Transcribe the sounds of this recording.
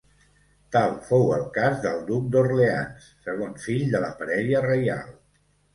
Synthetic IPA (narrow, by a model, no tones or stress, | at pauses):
t̪alˠfowəlˠkazðəlˠd̪uk̚d̪orlea̰nsːəɣ̞onsfiʎd̪ələpəɾɛðjərəja̰lˠ